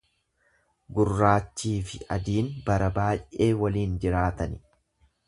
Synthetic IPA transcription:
ɡʊrːaːt͡ʃːiːfɪʔɐd̪iːnbɐɾɐbaːjʔe̞ːwɐliːnd͡ʒɪɾaːt̪ɐnɪ

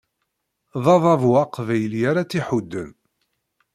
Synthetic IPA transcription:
ðˤɑðˤɑvwaqvæjəljaɾat͡sːiħud̪ːən

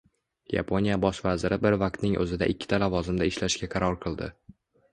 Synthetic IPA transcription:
ja̰pʰonijabɒʃvazɪɾɪbɪɾvaq̚t̪nɪŋʔɵ̰zɪd̪a̰ʔɪkʲːɪ̥t̪ʰalavɒzɪmd̪aɪʃlaʃɡʲaqʰɑɾɒɾqʰɨlˠd̪ɪ̰

